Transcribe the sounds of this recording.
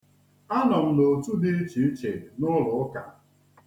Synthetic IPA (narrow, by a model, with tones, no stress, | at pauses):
a˦nɔ˨m̩˨do˨tu˦di˦t͡ʃi˨˦t͡ʃe˨nʊ˦lʊ˨˦ka˨